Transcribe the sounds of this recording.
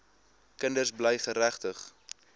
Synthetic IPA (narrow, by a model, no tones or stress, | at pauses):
kəndərsblɛjχəɾæχtəχ